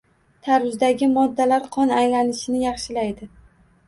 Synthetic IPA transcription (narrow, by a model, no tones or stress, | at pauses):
t̪ʰaɾʊzd̪aɡʲɪmɒd̪ːalaɾqʰɒnajlanɪʃɪnɪjɑχʃɪlajd̪ɪ